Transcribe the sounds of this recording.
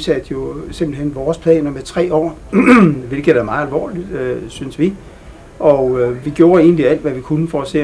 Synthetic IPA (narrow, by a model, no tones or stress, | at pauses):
sæd̥jo̝se̝mb̥l̩henʋɒːspʰlɛ̰ːnɐmet͡sʰʁɛ̰ːɒ̰ː | ʋe̝lɡ̥ð̩ˠæmɑ̈ð̩ˠælʋɒ̰ːlid̥øsynsʋi | ɒ̽øʋiɡ̥jo̝ːɐe̝ːn̩liæl̰d̥ʋæʋikʰunəfɒɒse̝̰ː